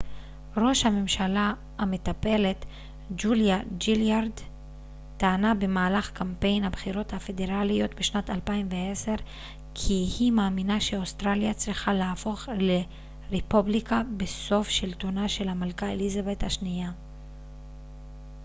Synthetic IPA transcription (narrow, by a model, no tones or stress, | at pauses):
ʁo̞ʃhame̞mʃala | hame̞t̪ape̞le̞t̪ | d͡ʒuljad͡ʒiljaɾd̪ː | aːnabe̞maːlaχkampe̞jnhabχiʁo̞t̪hafe̞d̪e̞ʁalijo̞t̪beʃnat̪alpaimveese̞ʁ | kʰihimaːminaʃeost̪ʁaljat͡sʁiχalaːfo̞χle | ʁepublikabeso̞fʃilt̪o̞naʃe̞lhamalkaḛlizave̞t̪haʃnija